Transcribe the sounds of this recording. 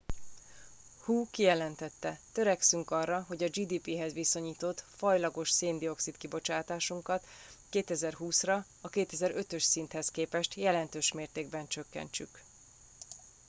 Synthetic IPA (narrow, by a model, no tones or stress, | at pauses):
huːkijɛlɛnt̪ɛt̪ːɛt̪ø̞ɾɛksyŋkɒrːɒɦo̞ɟɒd͡ʒiːd̪iːpiɦɛzʋiso̞ɲiːt̪o̞t̪fɒjlɒɡo̞ʃseːnd̪io̞ksit̪kibo̞t͡ʃaːt̪aːʃuŋkɒt̪keːt̪ɛzɛrɦuːsrɒ | ɒkeːt̪ɛzɛɾø̞t̪ø̞ʃsint̪hɛskeːpɛʃt̪jɛlɛnt̪øːʃmeːrt̪eːɡ̚bɛnt͡ʃø̞kːɛ̰nt͡ʃy̰k